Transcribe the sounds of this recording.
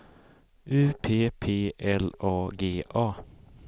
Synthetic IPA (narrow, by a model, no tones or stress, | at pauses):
ʔʉːpʰeːpʰeːʔɛlʔoːɡeːʔɑː